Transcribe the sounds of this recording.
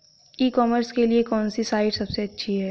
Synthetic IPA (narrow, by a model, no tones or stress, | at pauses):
iːkɔːməɾskeliekɔːnsisaːɪʈsɐbseɐtːʃʰiɦɛː